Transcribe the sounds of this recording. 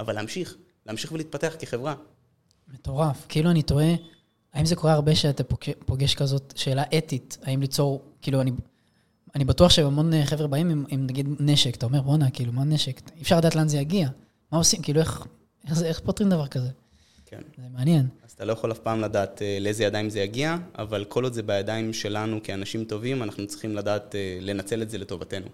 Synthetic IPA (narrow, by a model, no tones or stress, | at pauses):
avalaːmʃiχ | leaːmʃiχveliːt̪̚pateaχkeχevʁa | me̞to̞ʁafkiiːluanito̞e̞ | aimzeko̞ʁeaʁbe̞ʃeatapoepo̞ɡe̞ʃkazo̞tʃe̞ːlaʔe̞titaimlit͡so̞ʁkiːluani | anibatuaχʃemamo̞nχe̞vʁebaimimimnaɡid̪ne̞ʃekat̪ao̞me̞ʁbonakiːlumane̞ʃekifʃaʁladaːtlanzejaɡia | mao̞simkiːlueχ | eχzeeχpotʁimd̪avaʁkaze̞ | kḛnzemeanje̞nazatalo̞jaχolafpaːmladaːt̪eleezejad̪aimzejaɡiaa̰valkʰo̞lod̪zebajad̪ajmʃe̞lanukianaʃimto̞vimanaχnut͡si̥χimlad̪aːtele̞nat͡se̞letze̞leto̞vat̪e̞nṵ